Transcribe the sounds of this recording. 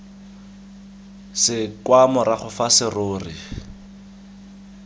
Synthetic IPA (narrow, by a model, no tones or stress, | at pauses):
sɪkwamɔɾaχʊfasɪroːrḭ